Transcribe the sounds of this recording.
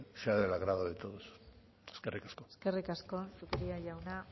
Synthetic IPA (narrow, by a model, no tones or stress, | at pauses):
seaðelaɣɾaβaðet̪oðos | eskerikḁsko̞eske̞rikasko̞sukɾiaʝawna